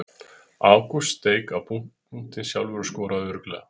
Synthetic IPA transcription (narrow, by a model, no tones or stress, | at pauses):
aːwkust̪eːjkawpuŋ̥ | uŋ̥t̪ɪsjawlvʏɾʏskoːwɾaðʏɾkla